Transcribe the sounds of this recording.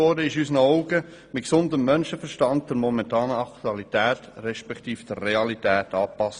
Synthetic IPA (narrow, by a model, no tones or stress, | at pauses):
ɔɾdəɪʃysənəɔʊɡə | mɪtksʊndəmːœnʃəfəɾʃtɑndd̥əɾmɔmɛntɑːnəɑktuɑlitɛːtɾɛʃpɛktiːfd̥əɾːeɑlitɛːtɑːpɑs